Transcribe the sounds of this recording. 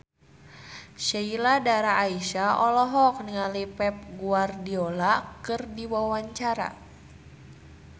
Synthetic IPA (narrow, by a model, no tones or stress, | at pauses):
ʃeiladaɾaːiʃaɔlɔɦɔk̚niŋalipɛp̚ɡuardiolakɨrdiwawaɲt͡ʃaɾa̰